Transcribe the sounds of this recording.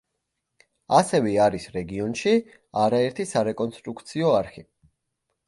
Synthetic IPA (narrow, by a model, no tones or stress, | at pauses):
asɛvɛaɾisɾɛɡiɔnʃi | aɾaɛɾt̪ʰisaɾɛkʼɔnst̪ʼɾukʰt̪sʰiɔaɾχi